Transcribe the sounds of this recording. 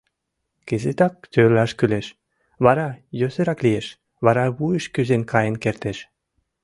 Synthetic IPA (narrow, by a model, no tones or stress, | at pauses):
kezet̪ɑk̚t̪ølɑʃkyleʃ | βɑɾɑjøsə̆ɾɑklieʃ | βɑɾɑβujəʃkyzenkʰɑjənkert̪eʃ